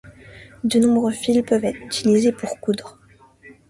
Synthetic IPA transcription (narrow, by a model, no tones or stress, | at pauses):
d̪ənɔ̃bʁøfilpœvɛt̪χyt̪ilizepuʁkud̪ʁ